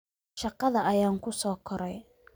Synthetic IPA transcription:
ʃɑqɑðɐʔɐjaːŋkʰʊsɔːkʰɔɾɛj

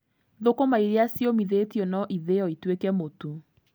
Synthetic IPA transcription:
ðokomaiɾeasjomiðeːtjɔnɔʔiðeɔitwekɛmotu

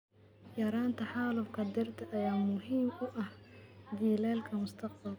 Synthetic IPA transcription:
jɐɾaːnt̪ʰɐħɑːlʊfkʰɐd̪ɪrt̪ʰɐʔɐjaːmʊɦiːmʊʔɐhd͡ʒiːlɛːlkʰɐmʊst̪ʰɐq̚bɐl

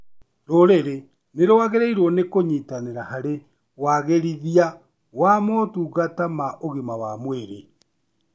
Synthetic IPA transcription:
ɾoɾeɾe | neɾowaɣeɾeiɾwɔnekoɲitaneɾahaɾe | waɣeɾiðia | wamɔtuːɣatamaʔoɣemawamweɾe

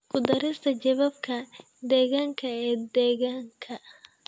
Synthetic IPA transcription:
kʰʊd̪ɐɾɪst̪ʰɐd͡ʒɐβaːb̚kʰɐ | d̪ɛːɣaːŋkʰɐɛːd̪ɛːɣaːŋkʰɐ

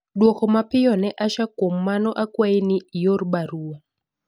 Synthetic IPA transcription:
ɗwɔkɔmapɪjɔnɛʔaʃakom̩manɔʔakwainiijoɾɓaɾuɔ

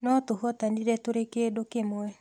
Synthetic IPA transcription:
nɔt̪ʊɦɔt̪andidɛt̪oɾekedokemɔɛ

